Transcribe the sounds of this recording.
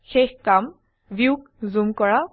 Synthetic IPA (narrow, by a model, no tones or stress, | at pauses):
xexkam | ʋiuk | zumkɔɹa